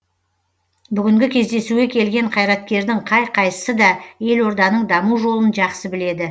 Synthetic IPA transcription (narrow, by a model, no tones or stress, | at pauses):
bʏɡʲɪŋɡʲɪkʲʰe̞zd̪e̞suɡʲe̞kʲʰe̞lɡʲe̞ɴqʰɑjɾɑt̪̚kʲe̞ɾd̪ɪɴqʰɑjqʰɑj̪ə̥səd̪ɑje̞lwo̞ɾd̪ɑnəɴd̪ɑmuʒo̞lˠənʒɑqsəbɪle̞d̪ɪ